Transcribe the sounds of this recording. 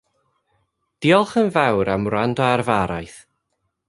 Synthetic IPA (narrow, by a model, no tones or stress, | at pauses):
d̥iːɔlˠχənvawɾamrandɔarvaɾajθ